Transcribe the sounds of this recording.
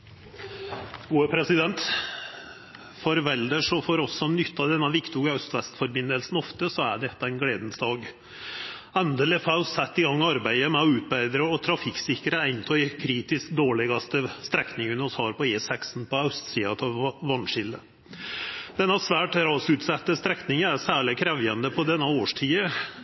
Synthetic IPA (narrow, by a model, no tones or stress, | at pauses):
ɡuːəpʰɾɛsɪd̪ɛnt̪ | fɔɾʋɛld̪əʂɔfɔɾɔsːɔnʏt̪ːɑd̪ɛnːɑʋɪkt̪ʰuːɡɑœst̪ʋɛst̪fɔɾbɪnːəlsn̩ɔft̪əsɔæɖɛt̪ːəæɪnɡleːd̪n̩sd̪ɑːɡ | ɛnd̪ɛlɪfɑssɛt̪ːɪɡɑŋːɑɾbæɪəmɛɔʉːt̪̚bæɪd̪ɾəɔt̪ʰɾɑfɪksɪkəɾəæɪnt̪ʰɔɪkʰɾiːt̪ɪskd̪oːɭɪɡɑst̪əst̪ɾɛknɪŋənɔshɑːɾpɔeːsɛksn̩pɔœst̪siːɑt̪ʰɑʋːɑnːʂɪlə̰ | d̪̥ɛnːɑsʋæːʈɾɑːsʉːt̪sɛt̪ːəst̪ɾɛknɪŋəæɾsæːɭɪkʰɾɛʋjənd̪əpʰɔd̪ɛnːɑoːʂʈʰiːə